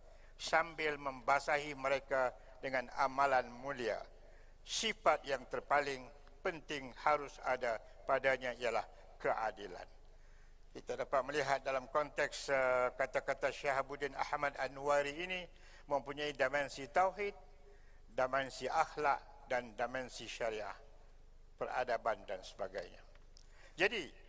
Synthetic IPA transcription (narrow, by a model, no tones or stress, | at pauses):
sambɪlmə̃mbasaɦiməɾeka | dəŋãna̰mãlanmũlia̰ | sifat̪̚jaŋt̪ərpalɪŋ | pənt̪ɪŋhaɾʊsada | padaɲaijala̰h | kəʔadila̰n | kit̪adapat̪̚məliɦat̪̚dalamkɔnt̪ɛkskat̪akat̪aʃɛhabudɪna̰hmadanuwaɾiːni | mə̃mpuɲaidamɛnsit̪awɦɪt̪̚ | damɛnsiʔaxlaʔ | dandamɛnsiʃaɾiʔa̰h | pəra̰dabandansə̥baɡa̰jɲa̰ | d͡ʒadi